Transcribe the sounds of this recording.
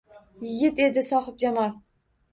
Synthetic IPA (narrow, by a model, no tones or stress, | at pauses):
jɪɡʲɪt̪e̞d̪ɪsɒχɨp̚d͡ʒamal